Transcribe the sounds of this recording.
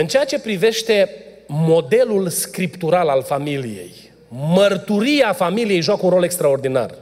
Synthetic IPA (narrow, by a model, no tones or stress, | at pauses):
ɨnt͡ʃeat͡ʃe̞pɾive̞ʃt̪e̞ | mo̞d̪e̞lulskɾipt̪uɾalalfamilije̞̰j | mərt̪uɾieafamilije̞jʒoakəunro̞le̞kst̪ɾao̞rd̪ina̰r